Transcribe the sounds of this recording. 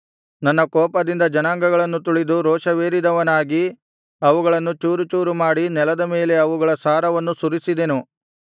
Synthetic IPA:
nɐnːɐkɔːpɐd̪ind̪ɐd͡ʒɐnaːŋɡɐɡɐɭɐnːut̪uɭid̪uɾɔːʂɐʋeːɾid̪ɐʋɐnaːɡi | ɐʋuɡɐɭɐnːut͡ʃuːɾut͡ʃuːɾumaːɽinɛlɐd̪ɐme̞ːle̞ɐʋuɡɐɭɐsaːɾɐʋɐnːusuɾisid̪e̞nu

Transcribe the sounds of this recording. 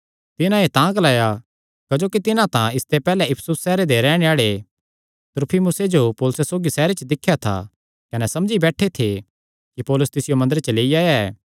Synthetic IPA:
t̪ɪnãet̪ãːklaːja | kɐd͡ʒoːkit̪ɪnãt̪ãɪst̪epɛːlɛɪpʰsusːɛːɾed̪eɾɛːɽ̃eaːɭe | t̪ʊɾpʰimʊsed͡ʒopoːlʊsesoːɡisɛːɾet͡ʃd̪ɪkʰːjat̪ʰa̰ | kɐnɛsɐmd͡ʒibɛːʈʰet̪ʰe | kipɔːlʊst̪ɪsɪjomɐ̃nd̪əɾt͡ʃɐleːijaːjaɛː

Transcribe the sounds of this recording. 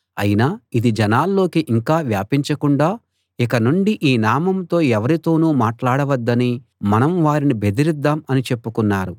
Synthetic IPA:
ɐ̰jinaːid̪id͡ʒɐnaːlːo̞ːkiʔiŋkaːʋjaːpiɲt͡ʃɐkuɳɖaː | ikɐnuɳɖiʔiːnaːmɐmt̪o̞ːɛʋɐɾit̪o̞ːnuːmaːʈlaːɽɐʋɐd̪ːɐni | mɐnɐmʋaːɾinibe̞d̪iɾid̪ːaːmɐnit͡ʃe̞pːukunːaːɾu

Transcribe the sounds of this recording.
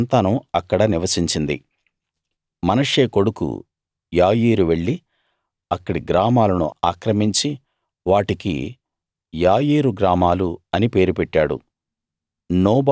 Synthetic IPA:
nt̪anuɐkːɐɽɐniʋɐsiɲt͡ʃind̪ḭ | mɐnɐʂe̞ːko̞ɽukṵ | jaːjiːɾuʋe̞ɭːi | ɐkːɐɽiɡɾaːmaːlɐnṵaːkɾɐmiɲt͡ʃi | ʋaːʈikḭ | jaːjiːɾuɡɾaːmaːluɐnipe̞ːɾupeʈːaːɽṵ | nɔːb

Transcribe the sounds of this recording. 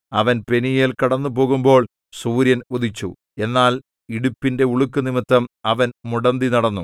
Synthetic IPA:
ɐʋɐnpe̞nijelkɐɽɐnːupo̞ːɣumbo̞ːɭ | suːɾjɐnod̪it͡ɕːṵ | e̞nːaːl | iɽupːinde̞uɭukːɨnimit̪ːɐmɐʋɐnmuɽɐnd̪inɐɽɐnːu

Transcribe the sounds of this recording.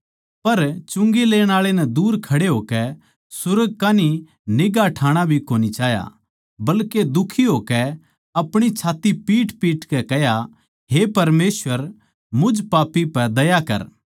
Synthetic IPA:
pɐɾt͡ʃʊ̃ŋɡeleːɽ̃aːɭenɛd̪uːɾkʰɐɽeɦoːkɛ | sʊɾəɡ̚kaːni | nɪɡaʈʰaːɽ̃abʱikoːnit͡ʃaːja̰ | bɐlked̪ʊkʰiɦoːkɛ | ɐpɽ̃it͡ʃʰaːt̪ːipiːʈpiːʈkɛkɛɦja | ɦepɐɾmeːsʋəɾ | mʊd͡ʒpaːpːipɛd̪ɐjakɐ̰ɾ

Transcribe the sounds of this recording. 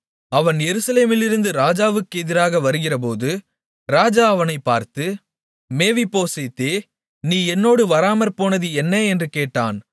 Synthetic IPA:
ɐʋɐnjɛɾɯsɐleːmɪlɪɾɯnd̪ɯɾaːd͡ʒaːʋɯkːɯɛðɪɾaːɣɐʋɐɾɯɣɪrɐp̬oːðɯ | ɾaːd͡ʒaːɐʋɐnɐɪpːaːɾt̪ɯ | meːʋipːoːsɛt̪ːeː | niːɛnːoːɽɯʋɐɾaːmɐɾpoːnɐðɯɛnːɐɛndrɯkeːʈːa̰ːn

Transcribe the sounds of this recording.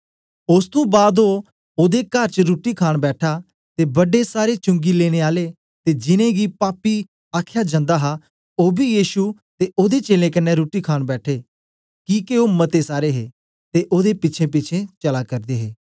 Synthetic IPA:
ʊst̪ũːbaːd̪ɦoː | oːd̪eːkəɾt͡ʃɾuːʈiːkʰaːɳbɛːʈʰaː | t̪eːbəɖeːsaːɾeːt͡ʃʊ̃ŋɡiːleːɽ̃eːaːleː | t̪eːd͡ʒɪnẽːɡiːpaːpiː | aːkʰjaːd͡ʒãnd̪aːɦaː | oːbiːjiːʃu | t̪eːʔoːd̪eːt͡ʃeːlẽːkɪnːeɾuːʈiːkʰaːɳbɛːʈʰeː | kiːkeoːmət̪eːsaːɾeːɦeː | t̪eːʔoːd̪eːpɪtːt͡ʃʰẽːp̬ɪt͡ʃʰẽːt͡ʃəlaːkəɾd̪eːɦeː

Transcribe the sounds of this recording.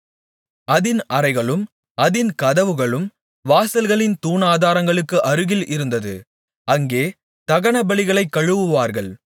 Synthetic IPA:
ɐðɪnɐɾɐɪɣɐɭɯm | ɐðɪnkɐðɐʋɯɣɐɭɯm | ʋaːsɐlɣɐɭɪnt̪uːnaːðaːɾɐŋɡɐɭɯkːɯʔɐɾɯɣɪlʔɪɾɯnd̪ɐðɯ | ʔɐŋɡeː | t̪ɐɣɐɳɐbɐɭɪɣɐɭɐɪkːɐɻɯʋɯʋaːɾɣɐɭ

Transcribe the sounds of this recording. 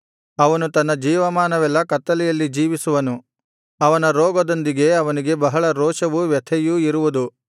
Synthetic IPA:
ɐʋɐnut̪ɐnːɐd͡ʒiːʋɐmaːnɐʋɛlːɐkɐt̪ːɐlɛjɐlːid͡ʒiːʋisuʋɐnu | ɐʋɐnɐɾɔːɡɐd̪ond̪iɡe̞ɐʋɐniɡe̞bɐɦɐɭɐɾɔːʃɐʋuʋjɐt̪ʰɛjuiɾuʋud̪u

